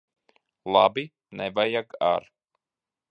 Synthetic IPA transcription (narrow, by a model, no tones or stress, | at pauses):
lˠabi | nɛvajaɡa̰ɾ